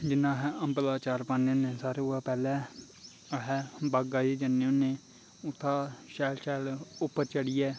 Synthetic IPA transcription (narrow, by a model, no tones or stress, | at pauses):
d͡ʒɪnːãːɦɛːəmbəlaːt͡ʃaːɾpaːnõːneːsaːɾeʊaːpɛːlɛ̃ː | ɦɛːbaːɡaːiːd͡ʒənːejõːnẽː | ʊt̪ʰːaːʃɛːlʃɛːlʊpːəɾt͡ʃəɽiːjɛː